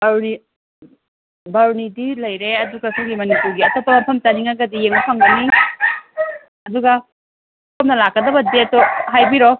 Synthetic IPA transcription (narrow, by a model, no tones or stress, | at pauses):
bɐɾni | bɐɾnidilɐjɾeɐduɡɐsaŋɡimɐnipuɾɡiɐtopːɐmɐmpʰɐmtɐniŋaɡɐdijeŋnɐpʰaŋɡɐni | ɐduɡɐ | pʰɐmnɐlakːɐdɐbɐdetoɦajbiɾo